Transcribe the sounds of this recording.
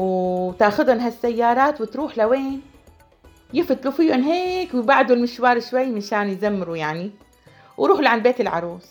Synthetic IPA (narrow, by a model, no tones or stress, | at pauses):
wt̪ʔaxʊd̪hʊnɦasːajːɑːɾˤɑːt̪wɪt̪ɾuːħlaweːn | jɪfɪt̪lufiːʊnɦeːkwɪbaʕd̪ulmɪʃwɑːɾˤʃwajːmaʃaːnjzamːɪɾujaʕni | wɾuːħluʕanbeːt̪ɪlʕɑ̰ɾˤuːs